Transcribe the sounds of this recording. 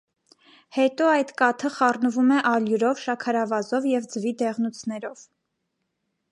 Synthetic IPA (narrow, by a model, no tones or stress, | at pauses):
hɛt̪ɔɑjt̪kɑt̪ʰəχɑrnəvumɛʔɑljuɾɔvʃɑkʰɑɾɑvɑzɔvjɛvd͡zəvid̪ɛʁnut͡sʰnɛɾɔv̥